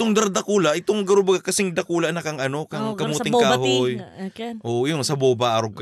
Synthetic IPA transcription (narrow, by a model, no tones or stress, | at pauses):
ɪt̪oŋd̪aɾd̪ɐkuːlaʔɪt̪oŋɡɐɾobaɡakɐsɪŋd̪ɐkuːlaʔnakaŋʔɐno̞kaŋkɐmuːɪŋkaːɦojʔʔojʊŋsɐbobaʔaɾoɡ̚k